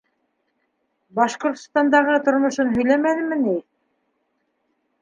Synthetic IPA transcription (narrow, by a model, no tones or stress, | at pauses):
bɑʃqŏɾt̪ost̪ɑnd̪ɑʁɤt̪ŏɾmŏʃonɦɵ̆jlæmænɘ̆mːɘni